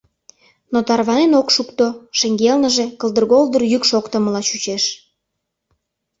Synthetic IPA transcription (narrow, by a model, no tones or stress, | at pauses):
not̪ɑrβɑnenokʃukt̪oʃeŋɡelnəʒekəlˠd̪ərɣolˠd̪ərjykʃokt̪ə̆məlɑt͡ɕut͡ɕeʃ